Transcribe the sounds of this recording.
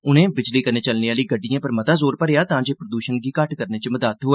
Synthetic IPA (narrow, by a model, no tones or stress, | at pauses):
ʊnẽːbɪd͡ʒliːkəneːt͡ʃəlneaːliːɡəɖːijãːpəɾmət̪aːzoːɾpəɾejaːt̪ãːd͡ʒeːpɾəd̪uːʃənɡiːkəʈkəɾneːt͡ʃəməd̪aːt̪ɦoːɛː